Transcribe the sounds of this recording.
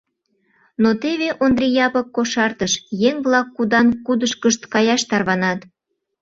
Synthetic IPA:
not̪eβeʔond̪rʲijɑpɤkːoʃɑrt̪əʃjeŋβlɑkːud̪ɑnkud̪əʃkəʃt̪kɑjɑʃt̪ɑrβɑnɑt̪

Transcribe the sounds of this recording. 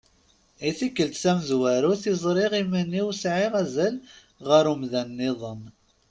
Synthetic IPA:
iθikːəlt̪sæmzwæɾuθizˤɾˤiʁimænːiwsʕiʁæzæl | ʁəɾumðænːɪðˤəm

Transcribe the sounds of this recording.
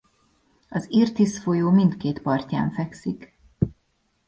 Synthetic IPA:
ɒzirt̪isfo̞joːmint̪keːt̪pɒrca̰ːɱfɛksik

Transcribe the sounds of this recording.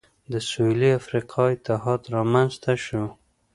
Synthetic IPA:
d̪əsuliafɾiqʰɑit̪aɦɑt̪ɾɑmanzt̪aʃo

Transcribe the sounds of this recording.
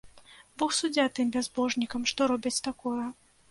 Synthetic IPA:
bɔxsud͡zʲat̪ɨmbʲazbɔʐnʲikɐmʂt̪ɔɾɔbʲɐt͡sʲt̪akɔjɐ

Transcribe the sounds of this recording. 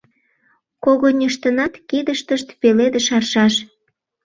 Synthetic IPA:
koɣonʲəʃt̪ənɑt̪kid̪əʃt̪əʃt̪peled̪eʃɑrʃɑʃ

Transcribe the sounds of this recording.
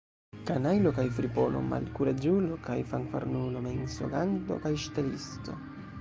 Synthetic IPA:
kanajlokajfɾipono̰ma̰lkuɾed͡ʒulokajfaŋfa̰ɾnulomenso̰ɡand̪o̞̰kajʃt̪elist̪o̰

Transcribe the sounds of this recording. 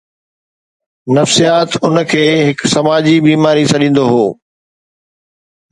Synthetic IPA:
nɐfsijaːt̪ʊnəkʰeːɦɪksɐmaːd͡ʑibiːmaːɾisɐɗĩːn̆d̪oɦoː

